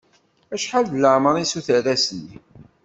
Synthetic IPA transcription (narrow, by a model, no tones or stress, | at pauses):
æʃħaldələʕməɾˤisuθəɾæsni